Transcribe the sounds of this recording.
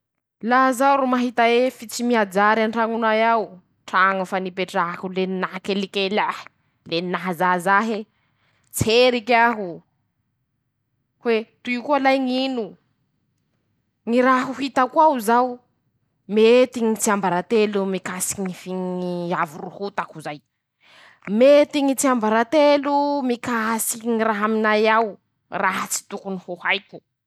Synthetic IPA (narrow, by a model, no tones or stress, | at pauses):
laɦzawɾumaɦit̪aefit͡simiad͡zaɾanʈ͡ʂaŋunajaw | ʈ͡ʂaŋafanipeʈ͡ʂakuleninaɦakelikelahi̥ | leninaɦazazaɦe | t͡seɾikaɦu | hwet̪uikualajŋinu | ŋiɾaɦuɦit̪akwauzaw | met̪iŋit͡siambaɾat̪elumikasi̥kiŋifiŋiavuruhut̪akuzaj | met̪iŋit͡siambaɾat̪elumikasi̥iŋiraɦaminajaw | raɦat͡si̥t̪ukunihuhajku̥